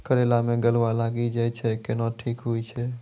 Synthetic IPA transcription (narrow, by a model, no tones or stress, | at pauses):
kəɾelamẽɡəlʋalaɡid͡ʒajt͡ʃʰɛkenɔʈʰikɦujt͡ʃʰɛ